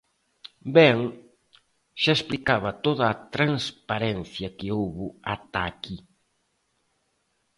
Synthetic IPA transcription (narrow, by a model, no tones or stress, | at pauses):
bɛŋ | ʃaesplikaβɐt̪oðɐːt̪ɾaŋspaɾɛn̟θjɐkɪowβʊat̪aki